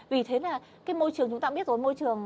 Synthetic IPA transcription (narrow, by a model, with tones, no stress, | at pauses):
vi˨˩t̪ʰe˨˦naː˨˩ | kaː˨˦jmo˧jt͡ɕɨ˨˩əŋt͡ɕʊ˨˦ŋ͡mt̪aː˧ɓi˦˥ət̚zo˨˦jmo˧jt͡ɕɨ˨˩əŋ